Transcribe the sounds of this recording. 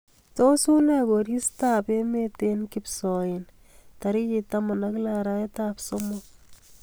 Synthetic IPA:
to˦su˦nɛ˨ko˨ɾi˦sta˦pe˦me˦te˦nkipsɔ˨ɪn | ta˨ɾi˦ji˨tama˨naklaɾa˦etapso˦mok̚

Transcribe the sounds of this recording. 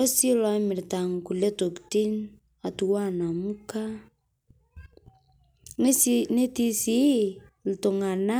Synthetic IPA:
o˦si˦lɔ˦mi˨ɾta˨ŋku˨le˦to˨kti˦n | a˨tuwa˦na˨mu˦ka | ne˦sine˦ti˦si˦ | l̩˨to˨ŋa˨na

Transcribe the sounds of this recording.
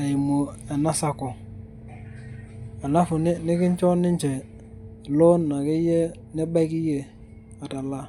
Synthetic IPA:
e˨i˨mo˨ɛ˨na˦sa˦˨kɔ˨ | a˨na˦fu˨nɪ˦nɪ˦kɪ˦ɲ˦t͡ʃɔ˦nɪ˦ɲt͡ʃɛ˨ | lo˦nːa˨ki˦je˦ | nɛ˦ba˦kɪ˦je˨ | a˨ta˨la˦

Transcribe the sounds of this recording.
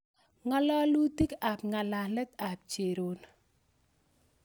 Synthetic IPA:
ŋa˦la˦lu˦ti˦ka˨pŋa˨la˨lɛ˦t̪a˨p̚t͡ʃe˨ɾo˦n

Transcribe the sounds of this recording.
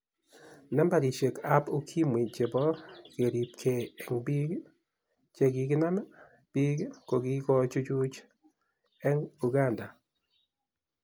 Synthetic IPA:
na˦mba˨ɾi˨t͡ʃe˨ka˦po˦kʰi˦mwi˨d͡ʒe˨bɔ˦ke˨ɾi˨p̚kʰe˨ɛ˨ŋbi˦ɡ | t͡ʃe˨ɡi˨ɡɪ˦na˦ma˦ | b̥i˦ɡko˨ɡi˦kɔ˦t͡ʃu˦t͡ʃu˦t͡ʃ | ɛ˦ŋu˨ɡa˦˨nda˨

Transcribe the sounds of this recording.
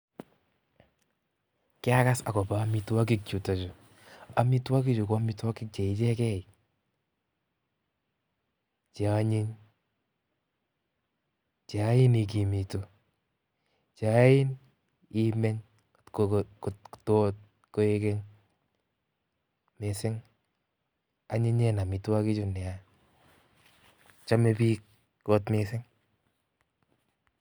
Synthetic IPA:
kɪ˦a˦ka˦sa˨kɔ˨pa˨˦mi˧twa˦k̬i˦k̚t͡ʃu˨ta˨t͡ʃo˨ | a˨mi˦twa˦k̬i˦t͡ʃo˨ka˦mi˦twa˦ki˦k̚t͡ʃɛ˨i˨t͡ʃɛ˦kɛ˦i˨ | t͡ʃaɲi˦ŋ | t͡ʃa˨˦ji˦ni˨k̬i˨mi˨to˨ | t͡ʃa˦jɪ˦n | i˦mɛ˦ɲ | ktto˦t̚ | ko˦e˦ke˦ɲ | me˨sɪ˦ŋ | a˦ɲi˦ɲɛ˦na˨mi˨tu˦a˦ki˦t͡ʃu˧nɛ˨a | t͡ʃa˦me˧pi˦k̚ | kɔ˦tmesɪ˦ŋ

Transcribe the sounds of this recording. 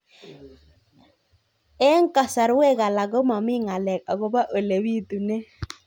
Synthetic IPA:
ɛ˦ŋ˦ka˨sa˨ɾwe˦ɣa˨la˨ɡɔ˦ma˨mɪ˦ŋa˨lɛ˨k̚a˨ɡo˦ba˦ʔo˨le˨wi˦t̪u˨ne˦

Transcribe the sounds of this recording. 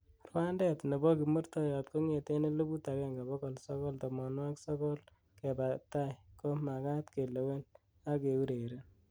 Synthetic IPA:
rwa˦ndɛ˦tne˨bɔ˦ki˨mo˦ɾtɔ˦jɔ˨tko˦ŋe˨te˦ne˦lo˦bu˦ta˨kɛ˦ŋɡa˨bɔ˦kɔ˨lsɔ˦kɔ˦ltɔ˨mɔ˨nwa˦ksɔ˦kɔ˦l | ke˨pa˨ta˦jko˦ma˨ka˦tke˨lo˨we˦n | a˦ke˨u˦ɾe˨ɾe˦n

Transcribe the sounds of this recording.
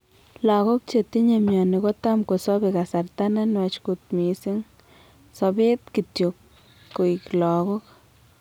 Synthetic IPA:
la˧ɡu˦bt͡ʃe˧t̪i˦ɲa˧mja˨ni˨˧ɡa˦t̪a˦mko˨so˦be˧ɡa˨sa˧ɾt̪a˦na˦nwa˧t͡ʃɡu˧t̪mi˨si˦ŋ | so˧bi˦d̪ki˧t̪ju˧kː | u˧˨jklo˨ɡu˦k

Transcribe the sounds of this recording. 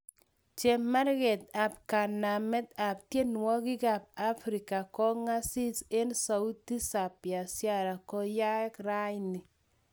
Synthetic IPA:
t͡ʃe˨ma˦ɾɣɛ˨t̪̚a˨p̚ka˨na˨mɛ˦t̪a˨p̚tje˦nwɔ˦ki˦ka˨p̚a˦fɾi˨ka˨kɔ˦ŋa˦si˦se˦nsa˨u˦ti˦sa˨pja˨sja˦ɾa˨kɔ˦ja˦kra˦jni˨

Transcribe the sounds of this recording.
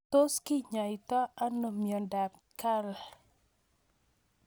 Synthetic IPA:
to˦skɪ˦ɲa˨ɪ˨ta˦a˦no˨mjɔ˨nda˨t | ka˦l

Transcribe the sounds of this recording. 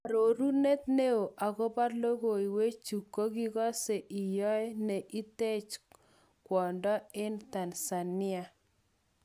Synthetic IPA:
a˨ɾo˨ɾu˦ne˦t̪ne˦o˨ʔa˨ɣɔ˦ba˦ɾlo˦ɣo˨i˨we˦t͡ʃu˨kːo˦ɡi˦ɣɔ˦se˨ʔi˨jɔ˦ɛ˦nɛ˨ʔi˦te˦t͡ʃ | kwɔ˨ndɔ˦ɪ˦nt̪a˨nsa˨nɪ˦a˨

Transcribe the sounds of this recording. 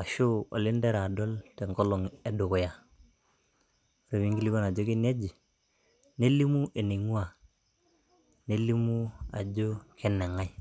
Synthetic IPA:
a˨ʃo˦o̰˨lɪ˦nde˦ɾa˨do˦lte˨ŋɡo˦lɔ˨ŋe˦dʊ˨kʊ˨ja˨ | ɾe˨mi˦ŋɡi˦li˦ko˦na˨d͡ʒo˦ke˦n˦e˦d͡ʒi˨ | ne˦li˦mu˦ʔe˨ni˨ŋu˦a˨ | ne˦li˦mu˦a̰˨d͡ʒo˦kʰe˦ne˨ŋa˦j

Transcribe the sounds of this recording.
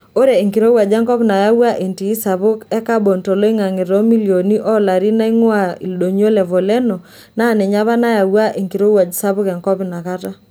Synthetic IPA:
o˦ɾe˨e˨ŋki˨ɾo˦wa˨d͡ʒɛ˦ŋkɔ˦pna˨ja˦wa˦ʔe˨ntiː˨˦sa˨βʊ˦kɛ˦ka˦bɔ˨ntɔ˨lo˦i˦ŋa˨ŋɪ˨ɾɔ˦mi˦li˨o˨ni˦ʔɔ˦la˨ɾi˦na˦i˦ŋwa˦˨i˨lɗo˨ɲ˦o˦lɛ˨vo˨lɛ˦no˨ | na˦˨nɛ˨ɲa˦βa˦na˦ja˨wa˦ʔe˨ŋki˨ɾo˦wa˨d͡ʒi˨sa˦βʊ˦kɛ˨ŋkɔ˦pna˨ka˦ta˦

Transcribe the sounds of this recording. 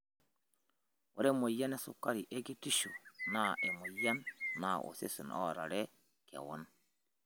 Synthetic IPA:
wo˨ɾe˦mo˨ja˦ne˦sṵ˨ka˦ɾi˨ʔe˦ɡi˦ti˦ʃo˨na˦˨ʔe˨mo˨ja˦nːa˨ʔo̰˨sḛ˦su˨nɔ̰˦˨ɾa̰˨ɾe˦ | kḛ˨wɔ̰˦n

